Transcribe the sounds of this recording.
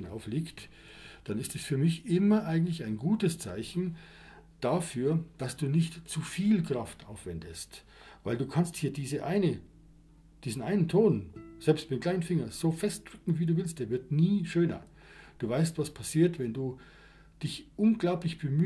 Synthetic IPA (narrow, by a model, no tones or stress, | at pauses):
na̰ʊfliːkt | d̥anɪstɛsfyːɐmɪçʔɪmɐʔaɪɡŋ̩tlɪçaɪnɡuːtəst͡sa̰ɪçn̩ | d̥afyːɐd̥asd̥uːnɪçtt͡sufiːlkʁ̥aftʔaʊfv̥ɛndəst | vaɪlduːkʰansthiːɐdiːzəʔa̰ɪnə | d̥iːzn̩ʔaɪnəntʰoːnz̥ɛlpstmɪklaɪnənfɪŋɐz̥oːfɛst̚d̥ʁ̥ʏkŋ̩viːduːvɪlst̚d̥eːɐvɪɐtniːʃøːnɐ̰ | d̥uːvaɪstv̥aspʰasiːɐtvɛnduː | d̥ɪçʔʊnɡlaʊplɪçb̥əm